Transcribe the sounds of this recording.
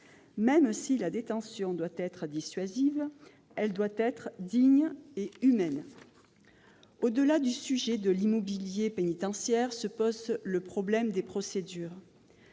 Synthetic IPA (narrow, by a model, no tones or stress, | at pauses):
mɛmsilad̪et̪ɑ̃sjɔ̃d̪wat̪ɛt̪χd̪isɥaziv | ɛld̪wat̪ɛt̪χd̪iɲeymɛn | od̪əlad̪ysyʒed̪əlimɔbiljepenit̪ɑ̃sjɛʁsəpɔzləpχɔblɛmd̪epχɔsed̪yːʁ